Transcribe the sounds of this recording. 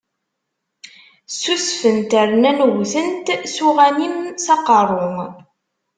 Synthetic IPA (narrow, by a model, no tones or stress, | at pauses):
susfənt̪əɾnænɣθənt̪suʁænimsɑqərˤːoŋ